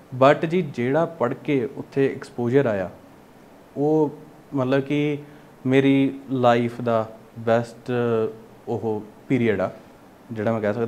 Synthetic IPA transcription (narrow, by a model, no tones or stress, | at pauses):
bəʈd͡ʒiːd͡ʒeːɽaːpəɽkeːʊt̪ʰːeːɪkspoːd͡ʒəɾaːja̰ː | oː | mət̪ləbkɪ | meːɾiːlaːipʰd̪aː | bɛːsʈ | ʊɦopiːɾiːəɖaː | d͡ʒeːɽaːmɛ̃ːkɛːsəkd̪a